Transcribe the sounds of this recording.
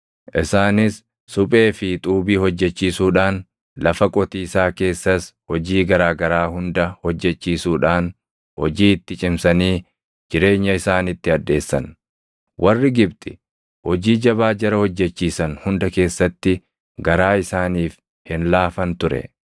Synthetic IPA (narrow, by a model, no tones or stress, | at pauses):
ʔɪsaːnɪsː | ʊpʼe̞ːfɪt̪ʼuːbiːhɔd͡ʒːɛt͡ʃːiːsuːᶑaːn | lɐfɐkʼɔt̪iːsaːke̞ːsːɐshɔd͡ʒiːɡɐɾaːɡɐɾaːhʊnd̪ɐhɔd͡ʒːɛt͡ʃːiːsuːᶑaːn | hɔ̰d͡ʒiːɪt̪ːɪt͡ʃʼɪmsɐniː | d͡ʒɪɾe̞ːɲːɐɪsaːnɪt̪ːɪɐd̪ːe̞ːsːɐ̰n | wʔɐrːɪɡɪbt̪ʼɪ̥ | hɔd͡ʒiːd͡ʒɐβaːd͡ʒɐɾɐhɔd͡ʒːɛt͡ʃːiːsɐnhʊnd̪ɐke̞ːsːɐt̪ːɪ | ɡɐɾaːɪsaːniːf | hɪnlaːfɐnt̪ʊɾɛ̰